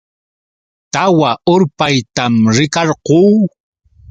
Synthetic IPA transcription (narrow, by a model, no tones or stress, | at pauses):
t̪awaʊɾpajt̪amɾɪkɑɾquː